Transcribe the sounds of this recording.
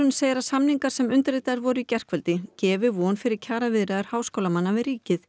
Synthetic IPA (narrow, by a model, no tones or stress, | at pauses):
ʏnseːjɾasamniŋkaɾ̥sɛmʏnt̪ɾejt̪aðɪɾvɔɾʏicɛr̥kvɛlt̪ɪcɛːvʏvɔnfɪɾɪɾ̥cʰaːɾavɪðɾɛðaɾ̥haːwskowlamanːavɪðɾriːcɪθ